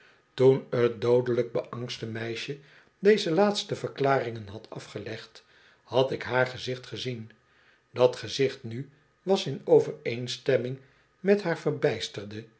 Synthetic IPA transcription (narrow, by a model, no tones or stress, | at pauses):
tunət̚dowdələɡ̚bəʔɑŋstəmɛjʃə | dejzəlaːtstəvəʁklaːrɪŋənɦɑtʰɑfχəlɛχt | hɑtɪkɦaːɹχəzɪχtχəzin | dɑtχəzɪχtny | ʋɑsɪnowvərejnstɛmɪŋ | mɛtɦaːɹvərbɛjstərdə